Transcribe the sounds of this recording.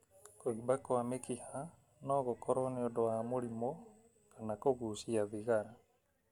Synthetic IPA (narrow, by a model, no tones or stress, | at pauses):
koibakoamekiha | nɔɣokɔɾɔneodoamoɾimɔ | kanakoɣuːsiaðiɣaɾa